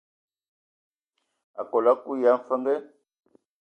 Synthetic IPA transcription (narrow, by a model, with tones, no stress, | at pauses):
a˨kɔ˨la˦ku˦ja˦fa˦ŋɡɛ˦